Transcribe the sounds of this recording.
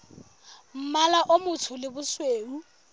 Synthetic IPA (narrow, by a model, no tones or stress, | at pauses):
m̩malaʔomʊtʰʊlɪbʊsweːu